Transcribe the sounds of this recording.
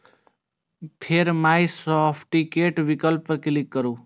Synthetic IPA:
pʰeɾmajsɔpʰʈikeʈʋikəlpkilikːəɾuː

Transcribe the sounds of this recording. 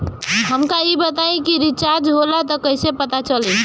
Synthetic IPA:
ɦəmkaibət̪aĩkiɾit͡ʃaɾd͡ʒɦolat̪ɔkəjsepət̪at͡ʃəli

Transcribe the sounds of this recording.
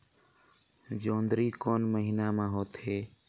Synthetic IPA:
d͡ʒoːnd̪ɾiːkoːnməɦiːnaːmãːɦoːt̪ɦeː

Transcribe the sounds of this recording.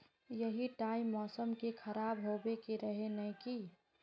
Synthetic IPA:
jəɦiʈaimːɔːsəmkekʰəɾaːbɦobekeɾəɦenəki

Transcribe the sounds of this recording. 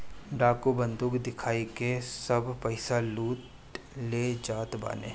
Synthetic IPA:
ɖaːkobə̃nd̪uːkd̪ɪkʰaːikesɐbʱpəɪsaluːt̪ | leːd͡ʒaːt̪ba̰ːnḛː

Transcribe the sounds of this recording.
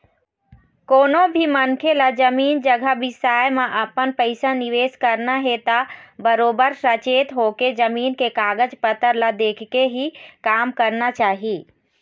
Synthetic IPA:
koːnobʱimənkʰelad͡ʒəmiːnd͡ʒəɡʱəʋɪsaːjmãʔəpənpəɪsaniʋeːskəɾnaɦet̪abəɾoːbəɾsət͡ʃeːt̪ɦoked͡ʒəmiːnkekaːɡəd͡ʒpət̪əɾlad̪eːkʰkeɦikaːmkəɾnat͡ʃaːɦiː

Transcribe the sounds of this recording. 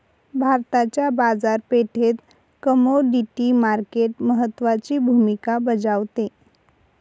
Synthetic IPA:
bʱaɾt̪at͡ɕjabad͡zaɾpeʈʰet̪ | kəmoɖiʈimaɾkeʈməɦət̪ːʋat͡ɕibʱumikabəd͡ʑaʋt̪e

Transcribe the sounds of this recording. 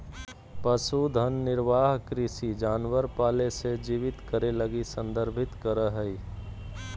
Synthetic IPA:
pəsud̪ʱənːɪɾʋaːɦkɾɪsid͡ʒaːnʋəɾpaːlesed͡ʒiːʋɪt̪kəɾeləɡisə̃nd̪əɾbʱɪt̪kəɾəɦəi

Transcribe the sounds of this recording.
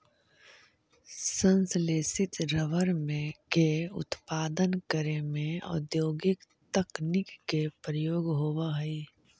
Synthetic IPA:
sə̃nsleːsɪt̪ɾəʋəɾmẽkeʊ̰t̪paːd̪ənkəɾemẽɔ̰d̪joːɡɪk | t̪əknɪkːepɾəjoːɡɦoːwaɦɛi

